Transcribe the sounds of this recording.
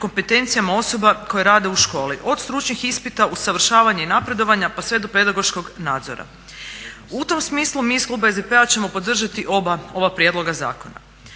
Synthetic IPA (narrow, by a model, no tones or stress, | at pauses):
ko̞mpe̞t̪e̞nt̪sijamao̞so̞bako̞jeɾaːd̪e̞uʃko̞ːliʔo̞d̪st̪ɾut͡ʃɲixispit̪ausaʋr̩ʃaːʋaɲainapɾe̞d̪o̞ʋaɲapasʋe̞d̪upe̞d̪aɡo̞ʃko̞ɡnaːd̪zo̞̰ɾa̰ | ut̪o̞msmiːslˠumiːsklˠubaezd̪epe̞at͡ɕe̞mo̞po̞d̪r̩ʒat̪iʔoao̞ʋapɾje̞d̪lˠo̞ɡaza̰ːko̞na̰